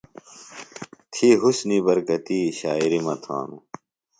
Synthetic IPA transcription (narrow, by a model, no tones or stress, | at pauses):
t̪ʰiɦusnibɐɾkɐt̪iːɕaːiɾimɐt̪ʰa̰ːnṵ